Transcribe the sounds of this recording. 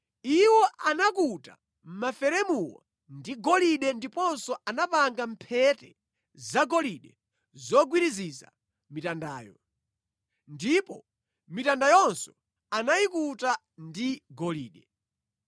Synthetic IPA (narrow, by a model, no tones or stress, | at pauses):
iwɔanakuta̰ | m̩mafɛɾɛmuwɔ̰ | ndiɡɔliɗɛndipɔnsɔʔanapaŋɡam̩pʰɛtɛ | zaɡɔliɗɛ | zɔɡwiɾiziza̰ | mitandaːjɔ̰ | ndipɔ | mitandajɔnsɔ̥ | anajikuta | ndiɡɔliːɗɛ